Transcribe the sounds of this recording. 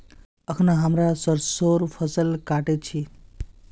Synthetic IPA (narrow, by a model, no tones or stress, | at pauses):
əkʰnaɦəmɾasəɾsoɾpʰəsəlkaʈet͡ʃʰi